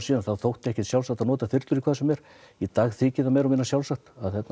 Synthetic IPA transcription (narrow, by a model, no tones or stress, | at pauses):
siːðanθawθowht̪ɪɛhcɛt̪sjaw̪sakt̪aðnɔːt̪aθɪɾt̪lʏɾikʰvaːðsʏmjɛɾ̥ | it̪aːɣθɪːcɪðamɛːɾɔmɪnːasjawlsakt̪aðθɛt̪n